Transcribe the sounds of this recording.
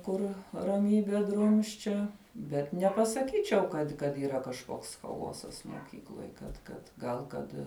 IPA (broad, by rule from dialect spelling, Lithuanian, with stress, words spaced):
ˈkʊr rɐˈmʲiːbʲɛ ˈdrʊmʲsʲt͡ʃʲɛ bʲɛt nʲɛpɐsɐˈkʲiːt͡ʃʲɛʊ ˈkɐt kɐt iːˈrɐ kɐʃˈkoːks xɐˈoːsɐs moːˈkʲiːklˠoːj kɐt ˈkɐt ˈɡɐlˠ ˈkɐt